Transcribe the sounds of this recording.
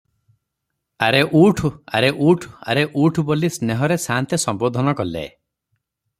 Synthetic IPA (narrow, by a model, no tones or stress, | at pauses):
aɾeʔuʈʰua̰ɾeʔuʈʰa̰ɾeʔuʈʰubolisneɦɔɾesant̪esɔmbod̪ʱɔnɔkɔlḛ